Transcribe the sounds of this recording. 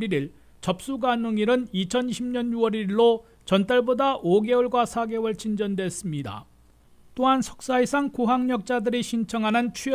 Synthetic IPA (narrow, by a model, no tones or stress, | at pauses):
iɾiɭ | t͡ɕʌp̚s͈uɡanɯŋiɾɯnit͡ɕʰʌniɕʰimɲʌnjuwʌɾiɭːo | t͡ɕʌnt͈aɭbodaʔoɡe̞ʌɭɡwasʰaɡe̞wɯɭt͡ɕind͡ʑʌndwe̞s͈ɯmɲida̰ | t͈oɦansʰʌk̚s͈aisʰaŋkuɦaŋɲʌk̚t͡ɕ͈adɯɾiɕʰint͡ɕʰʌŋɦanɯnt͡ɕʰi